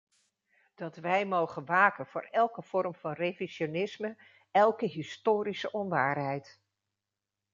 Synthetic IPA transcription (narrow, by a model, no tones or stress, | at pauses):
d̥ɑtʋɛjmowχənʋaːkənv̥ʊːrɛlˠkəv̥ɔrmv̥ɑnreviʃonɪsmə | ɛlˠkəɦɪstoːɾisəʔɔnʋaːrɦɛjt